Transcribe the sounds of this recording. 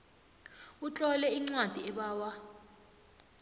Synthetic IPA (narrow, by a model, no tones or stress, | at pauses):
ut͡ɬʼɔlɛiŋ͡ǀwad̥ʱiɛɓaːwa